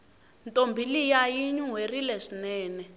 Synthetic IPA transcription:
ntʼombʱilijajiɲuwerilɛʂinɛːnɛ

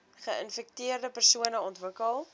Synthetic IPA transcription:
χəə̰nfɛk̚tiərdəpərsuənəɔntvəkəlˠ

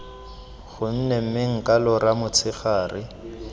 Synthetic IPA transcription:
χʊn̩nem̩mɪŋ̩kʼalɔɾamʊt͡sʰɪχaːrɪ

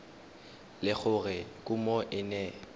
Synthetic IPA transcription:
lɪk͡xʊrɪkʼʊmɔʔɪnɛ

